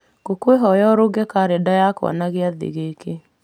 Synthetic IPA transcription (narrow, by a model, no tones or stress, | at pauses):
ɡ̥okweɦɔjɔɾoɡɛkaɾedajakwɔ̰naɣeaðḭɣeke